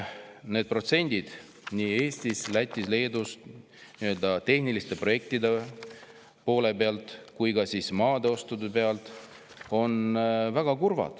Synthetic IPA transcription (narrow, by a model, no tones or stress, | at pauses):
ne̞ːd̪̥̚pro̞t̪se̞nʲd̪̥id̪̥ | niːe̞ːst̪islæt̪ʲːˑisle̞ːd̪ust̪ | niø̞ld̪̥ɑt̪e̞hnilist̪e̞pro̞je̞k̚t̪id̪e | po̞ːle̞pe̞ɑlt̪ˑkujɡɑsiːsmɑːd̪̥eo̞st̪ud̪epe̞ɑlt̪ˑ | o̞nvæɡ̥ɑkurvɑ̰d̪̥